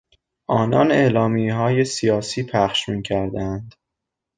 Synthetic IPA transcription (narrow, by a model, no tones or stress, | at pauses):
ʔɒːnɒne̞ʔlɒːmiɦɒːje̞sijɒːsiːpʰæχʃmiːcʰæɾd̪eænd̪̥